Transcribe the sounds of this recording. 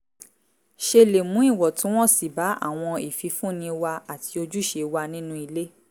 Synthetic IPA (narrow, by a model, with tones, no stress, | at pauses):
ʃe˧le˨mũ˨˦i˦˨wɔ˨tũ˨˦w̃ɔ̃˦˨si˨ba˨˦a̰˦˨w̃ɔ̃˧i˨fi˨˧˦fũ˦nĩ˧wa˧a˨tʰi˧o˧d͡ʒu˦ʃe˧wa˧nĩ˦nũ˦i˧le˦